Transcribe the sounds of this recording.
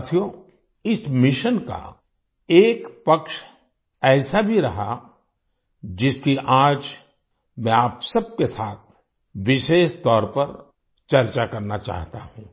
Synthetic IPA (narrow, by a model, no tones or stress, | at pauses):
t̪ʰjo | ɪsmɪʃənka̰ | eːkpɐkʃ | ɛːsabʱiɾɐɦa̰ | d͡ʒɪskiʔaːd͡ʒ | mɛ̃aːpsɐb̚kesaːt̪ʰ | ʋɪʃeːʃt̪ɔːɾpɐɾ | t͡ʃɐɾt͡ʃakɐɾnat͡ʃa̰ːɦt̪aɦũː